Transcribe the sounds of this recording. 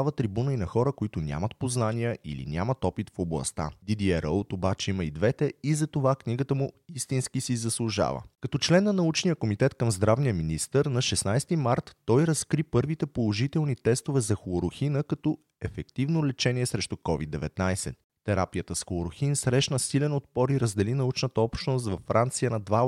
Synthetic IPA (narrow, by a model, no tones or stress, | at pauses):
avət̪ɾibunəinɐxɔɾəkoit̪ʊnʲa̰mət̪̚poznanijəʔḭlḭnʲamət̪ɔpit̪foblˠɐ̰st̪a̰d̪id̪iɛɾəlt̪obat͡ʃɛiməid̪vɛt̪ɛizɐt̪ovakniɡət̪əmʊist̪inskisizɐslˠʊʒa̰və̰kɐt̪ɔt͡ʃlɛnːɐnɐut͡ʃnijəkomit̪ɛt̪kəmzd̪ɾavnijəminist̪əɾnɐʃɛsnajst̪imaɾt̪ːɔjɾɐskɾipɤɾvit̪ɛpolˠoʒit̪ɛlˠnit̪ɛst̪ovɛzɐxooɾoxinəkɐt̪ɔ | ɛfɛkt̪ivnolɛt͡ʃɛniɛsɾɛʃt̪ʊkɔvḭd̪ːɛvɛt̪najsɛ̰ | t̪ːɛɾa̰pijət̪əsxooɾoxinsɾɛʃnəsilɛnot̪̚pɔɾiɾəzd̪ɛlinɐut͡ʃnət̪əɔpʃt̪nos̬t̪vɐfːɾant̪sijənɐd̪va